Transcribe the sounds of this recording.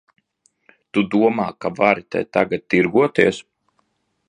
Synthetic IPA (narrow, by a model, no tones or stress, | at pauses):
t̪ud̪uɔmaːkavaɾit̪ɛ̰jt̪aɡat̪̚t̪ːiɾɡuɔt̪iɛs